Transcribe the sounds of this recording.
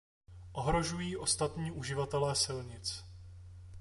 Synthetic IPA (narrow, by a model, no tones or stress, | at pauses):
ʔo̞ɦɾo̞ʒujiːʔo̞st̪at̪ɲiːʔuʒɪvat̪ɛlɛːsɪlɲɪt͡s